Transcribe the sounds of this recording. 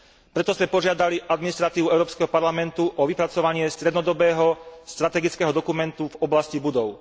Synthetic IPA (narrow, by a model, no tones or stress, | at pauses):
pɾɛt̪ɔzmɛpɔʒɪad̪aliʔad̪minist̪ɾat̪iːʋuɛʊɾɔːpskɛɦɔpaɾlamɛnt̪uʔɔʋipɾat͡sɔʋaɲɪɛst̪ɾɛd̪nɔd̪ɔbɛːɦɔst̪ɾat̪ɛɡit͡skɛɦɔd̪ɔkumɛnt̪uvɔblascibud̪ɔʊ